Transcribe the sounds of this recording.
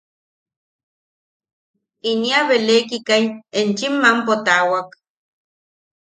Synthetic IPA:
iniaβelekikajent͡ʃimːampot̪awak

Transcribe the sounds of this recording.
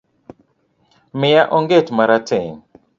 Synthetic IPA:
mɪjaʔɔŋɡetmaɾatɛn

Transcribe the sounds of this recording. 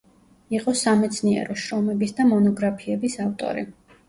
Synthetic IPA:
iqʼɔsamɛt̪sʰniɛ̰ɾɔʃɾɔmɛbisd̪amɔnɔɡɾapʰiɛbisaft̪ʼɔ̰ɾḭ

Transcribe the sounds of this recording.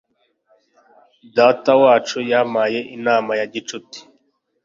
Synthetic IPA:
daːtawaːt͡ʃujamaje̞ʔinaːmajaɟit͡ʃuti̥

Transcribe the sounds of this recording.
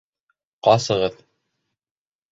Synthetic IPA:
qɑsɤ̆ʁɤð

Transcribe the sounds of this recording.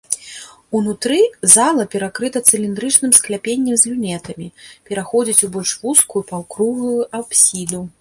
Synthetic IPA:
unut̪ɾɨzalˠɐpʲɛɾakɾɨt̪ɐt̪sɨlʲind̪ɾɨt͡ʂnɨmsklʲapʲenʲːɛmzʲlʲunʲɛt̪ɐmʲipʲɛɾaxɔd͡zʲit͡sʲubɔlʲʂvuskujupawkɾuɣujuapsʲid̪u

